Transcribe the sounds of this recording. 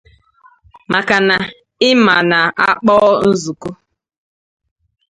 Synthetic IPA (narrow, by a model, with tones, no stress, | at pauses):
ma˨ka˨na˨ | ɪ˦ma˨na˨a˦k͡pɔː˦n̩˦zu˨ku˦